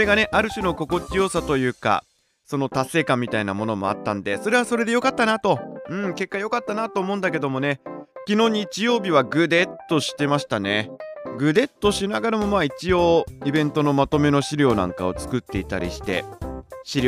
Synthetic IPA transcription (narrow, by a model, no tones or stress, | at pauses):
oɾe̞ɡane̞ʔaɾɯ̟ɕɨno̞ko̞ko̞t͡ɕijo̞ːsat̪o̞jɯ̟ːka̰ | so̞no̞t̪ase̞ːkãmːʲit̪ainamo̞no̞mo̞̰a̰t̪ːã̰nd̪e̞so̞ɾe̞β̞aso̞ɾe̞d̪e̞jo̞kat̪ːanat̪o̞ɯ̟̃ɴke̞kːajo̞kat̪ːanat̪o̞ːmõ̞ːnd̪ake̞d̪o̞mo̞ne̞kʲino̞ːɲ̟it͡ɕijo̞ːbʲiβ̞aɡɯ̟d̪e̞t̪ːo̞ɕi̥t̪e̞maɕi̥t̪ane̞ɡɯ̟d̪e̞t̪ːo̞ɕinaɡaɾamo̞maːit͡ɕio̞ːibẽ̞nt̪o̞no̞mat̪o̞me̞no̞ɕiɾʲo̞ːnã̰ŋka̰o̞t͡sɨ̥kɯ̟t̪ːe̞it̪a̰ɾʲḭɕi̥t̪e̞̰ɕiɾʲ